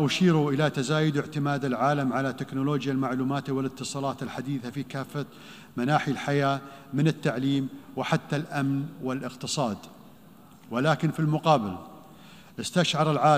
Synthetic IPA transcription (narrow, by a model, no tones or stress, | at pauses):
ʔʊʃiːɾuʔɪlat̪azaːjʊd̪ɪʕt̪ɪmaːd̪alʕaːlamʕalat̪ːɪknʊloːd͡ʒjalmaʕluːmaːt̪wɪlɪt̪ːɨsˤɑːlɑːt̪ɪlħad̪iːθafikaːfːa | manaːħilħajaːmɪnɪt̪ːaʕliːmwɪħat̪ːalʔamnwɪlʔɪqt̪ɨsˤɑːd̪ | wɪlaːkɪnfilmʊqɑːbɪl | ʔɪst̪aʃʕɑɾˤɪlʕaː